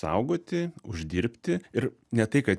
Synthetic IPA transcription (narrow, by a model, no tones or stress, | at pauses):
sɐ̰ʊɡoːt̪ʲɪʊʒʲd̪ʲiːɾʲpʲt̪ʲɪɪɾ | nʲɛt̪ɐɪkɐt̪